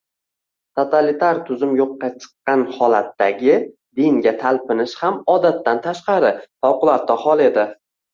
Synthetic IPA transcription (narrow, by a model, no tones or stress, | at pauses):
t̪ʰot̪ʰalit̪ʰaɾt̪ʰʊzʊmjoqːɑt͡ʃʰɨ̥qːɑnhɒlat̪ːaɡʲɪ | d̪iŋɡʲat̪ʰalpɪnɪʃhamɒd̪at̪ːant̪ʰaʃqɑɾɪfawqʊlˠaɾt̪̚ːahɒlˠe̞d̪ɪ